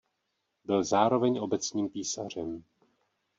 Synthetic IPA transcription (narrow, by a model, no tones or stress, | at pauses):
bɪlzaːɾo̞vɛɲʔo̞bɛt͡sɲiːmpiːsa̰r̝ɛm